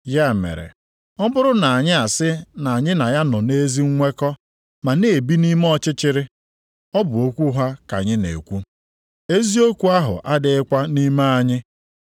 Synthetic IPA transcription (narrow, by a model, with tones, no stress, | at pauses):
ja˦˨mḛ˨ɾḛ˨ | ɔ˦bʊ˦ɾʊ˦na˨a˨ɲɪ˦a˨sɪ˦na˨a˨ɲɪ˦na˨ja˦nɔ˨ne˦zi˦ŋ̩˦ŋʷe˦kɔ˦ | ma˨ne˨e˨bi˦ni˦m˦ɔ˦t͡ʃɪ˦t͡ʃɪ˦ɾɪ˦ | ɔ˦bʊ˨o˦kʷu˦ɦa˦ka̰˨ɲɪ˦nḛ˨kʷu˦ | e˦zi˦o˦kʷu˦a˦ɦʊ̰˨ʔa˦dɪ˨˦ɪ˦kʷa˦ni˦ma˦a˨ɲɪ˦